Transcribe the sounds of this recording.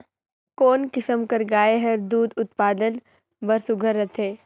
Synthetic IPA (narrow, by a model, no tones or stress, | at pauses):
koːnkɪsəmkɐɾɡaːeɦɐɾd̪uːd̪ʊt̪paːd̪ən | bɐɾsʊɡʱəɾːɐt̪ʰeː